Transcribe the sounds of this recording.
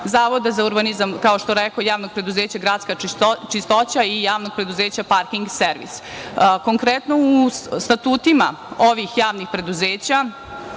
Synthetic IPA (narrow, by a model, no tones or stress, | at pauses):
zaːʋo̞d̪azauɾbanizamkao̞ʃt̪oɾekojaːʋno̞ɡ̚pɾe̞d̪uzeːt͡ɕaɡɾaːdt̪skat͡ʃist̪o̞t͡ɕaijaːʋno̞ɡ̚pɾe̞d̪uzeːt͡ɕapaɾkiŋɡseɾʋḭs | ko̞ŋkɾet̪noust̪at̪uːt̪ima̰ | o̞ʋixjaːʋnixpɾe̞d̪uzeːt͡ɕa